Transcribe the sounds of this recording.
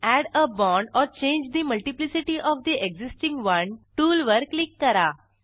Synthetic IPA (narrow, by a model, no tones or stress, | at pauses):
æɽəbɔ̃ɳɖɔɾt͡ʃẽːɲd͡ʒd̪iməlʈiplisiʈiʔɔʋd̪iʔeɡzisʈĩŋɡʋɐ̃nʈuːlʋəɾklikːəɾa